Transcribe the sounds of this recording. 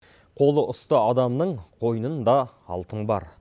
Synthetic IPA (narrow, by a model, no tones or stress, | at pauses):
qʰo̞lˠəʔʊst̪əɑd̪ɑmnəɴqʰo̞jnənd̪ɑ | ɑ̰lˠt̪əɴbɑ̰ɾ